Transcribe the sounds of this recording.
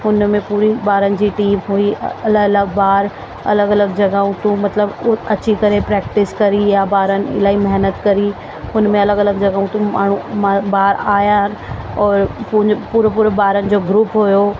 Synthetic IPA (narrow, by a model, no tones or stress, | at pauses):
ʊnmẽpuːɾibaːɾənɪ̆d͡ʑiːʈiːmɦuiɐləɡɐləɡbaːɾ | ɐ̰ləɡɐləɡd͡ʑɐɡaːũt̪ũmɐt̪ləbɐt͡ɕikɐɾepɾɛːk̚ʈɪskɐɾijabaːɾənɪ̆ɪ̰laːimɐɦnət̪kɐɾi | ʊnmẽɐləɡɐləɡd͡ʑɐɡaːũt̪ũma̰ːɳ̤ũmabaːɾaːjaɦnɪ̆ɔːɾppuːɾəpuːɾbaːɾənɪ̆d͡ʑoːɡɾuːpɦujo